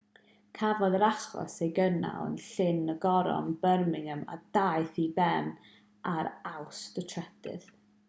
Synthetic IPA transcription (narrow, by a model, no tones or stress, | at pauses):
kʰavɔðəɾaχɔ̰sejɡəna̰ə̰nɬɪnəɡɔɾɔ̰nbərmɪŋəma̰d̥ajθibɛn | aɾawsd̥ətʰrɛd̥ɪ̰ð